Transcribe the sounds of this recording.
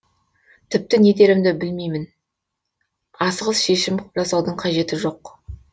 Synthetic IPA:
t̪ʰɪp̚t̪ɪne̞d̪e̞ɾɪmd̪ɪbɪlmejmɪn | ɑsəʁəzˠʃe̞ʃɪmʒɑsɑwd̪əɴqʰɑʒe̞t̪ɪʒo̞q

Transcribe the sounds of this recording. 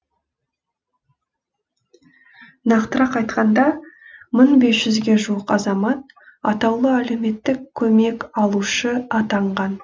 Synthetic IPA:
nɑqt̪əɾɑqɑjt̪qɑnd̪ɑməɴbe̞sʒ̥ʏzɡʲe̞ʒuwəqɑzɑmɑt̪̚ | ɑt̪ɑwlˠəæle̞me̞t̪ːɪkʲʰːɵme̞kɑlˠuʃəɑt̪ɑɴʁɑn

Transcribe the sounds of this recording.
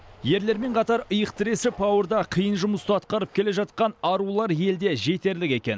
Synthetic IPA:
je̞ɾle̞ɾme̞ɴqʰɑt̪ɑɾəjəq̚t̪ʰɪɾe̞sɪpʰɑwəɾd̪ɑqʰijənʒʊməst̪əɑt̪qɑɾəp̚kʲʰe̞le̞ʒɑt̪̚qɑnɑɾulˠɑɾje̞ld̪e̞ʒe̞t̪e̞ɾlɪkʲe̞kʲe̞̰n

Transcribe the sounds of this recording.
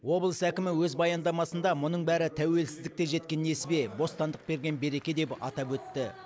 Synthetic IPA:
wo̞blˠəsækʲɪmɪwɵzbɑjɑnd̪ɑmɑsənd̪ɑmʊnəɴbæɾɪt̪ʰæwe̞lsɪzd̪ɪk̚t̪e̞ʒe̞t̪̚kʲe̞nːe̞sɪbe̞bo̞st̪ɑnd̪əq̚be̞ɾɡʲe̞nbe̞ɾe̞kʲe̞d̪e̞pɑ̰t̪ɑpwɵt̪ːɪ

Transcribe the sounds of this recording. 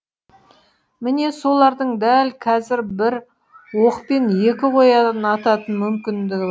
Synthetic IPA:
mɪne̞so̞lˠɑɾd̪əɴd̪ælkʰɑzɪɾbɪɾ | wo̞qpe̞nje̞kʲɪqʰo̞jɑd̪ɑnɑt̪ɑt̪ənmʏmkʲɪnd̪ɪɡʲɪ

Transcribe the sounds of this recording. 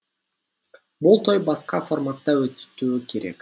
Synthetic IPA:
bulˠt̪ʰo̞jbɑsqɑfo̞rmat̪ːɑøt̪t̪yːke̞ɾe̞̰k

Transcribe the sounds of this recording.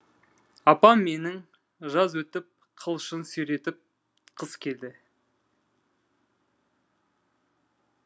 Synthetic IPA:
ɑpɑmːe̞nɪŋ | ʒɑzwɵt̪ɪp̚ | qʰəlˠʃənsɵjɾe̞t̪ɪp̚ | qʰəskʲʰe̞ld̪ɪ

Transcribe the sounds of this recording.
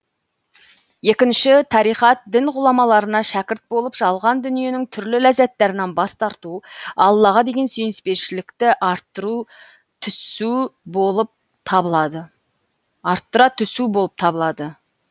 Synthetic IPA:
je̞kʲɪnʃɪt̪ʰɑɾijχɑt̪̚d̪ɪnʁʊlˠɑmɑlˠɑɾənɑʃækʲɪɾt̪̚bo̞lˠəpʒ̥ɑlˠʁɑnd̪ʏnije̞nɪŋt̪ʰʏɾlɪlæzæt̪ːæɾɪnɑnbɑst̪ɑɾt̪uɑlˠːɑʁɑd̪e̞ɡʲe̞nsyjnɪspe̞ɾʃɪlɪkt̪ɪʔt̪ːu | t̪ʰʏsuboəp̚ | t̪ʰɑbɑd̪ə | ɑɾt̪ːəɾɑt̪ʰʏsubo̞lˠəp̚t̪ʰɑbəlˠɑd̪ə

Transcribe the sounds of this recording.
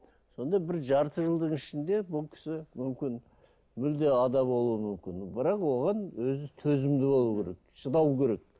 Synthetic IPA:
so̞nd̪ɑbɪɾʒɑɾt̪əʒəlˠd̪əɴɪʃɪnd̪e̞bʊlˠkʲʰɪ̥sɪmʏmkʲɪn | mʏld̪e̞ɑd̪ɑbo̞lˠuəmʏmkʲɪnbɪɾɑqwo̞ʁɑnwɵzɪt̪ʰɵzɪmd̪ɪbo̞lˠukʰʲeɾek̚ʃəd̪ɑwkʲʰeɾe̞k̚

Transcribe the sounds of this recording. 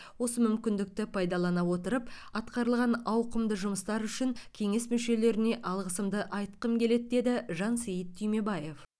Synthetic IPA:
wo̞səmʏmkʲɪnd̪ɪk̚t̪ɪpʰɑjd̪ɑlˠɑnɑwo̞t̪əɾəpɑt̪qɑɾəlˠʁɑnɑwqəmd̪əʒʊməst̪ɑɾʏʃɪŋkʲʰe̞ŋe̞smʏʃe̞le̞ɾɪne̞ʔɑlˠʁəsəmd̪əʔɑjt̪qəmkʲʰe̞le̞d̪d̪e̞d̪ɪʒɑnsejət̪ʰːʏjme̞bɑje̞f

